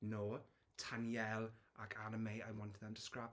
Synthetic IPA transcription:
noː | tʰanjɛlˠakʰanəmejajwɔntʰəðantʰəskrap

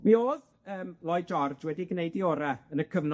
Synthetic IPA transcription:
mioːð | əːmlˠɔjd͡ʒɔrd͡ʒwɛdiɡnejdioːɾaənəkʰəvn

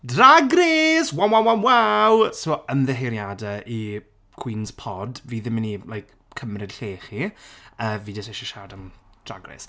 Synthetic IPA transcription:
draɡreswamawamwawsoːənðɛɦejɾjadɛʔi | kʰw̥inspʰɔdviːðɪmɪnilajk | kʰːəmrɨd̥ɬeːχiəːviːdɔseʃɔʃadamd̥ra̰ɡrḛs

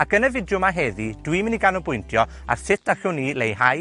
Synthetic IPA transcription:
akənəvɪdjʊmaɦɛðid̥wiməniɡanɔbʊjntʰjɔ | a̰rsɪt̚ʰd̥aɬʊnilejhaj

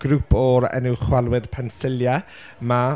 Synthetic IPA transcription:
ɡ̥ɾupʰɔɾɛ̰nɪwχwalˠwɪð̥pʰɛnsɪlja | ma

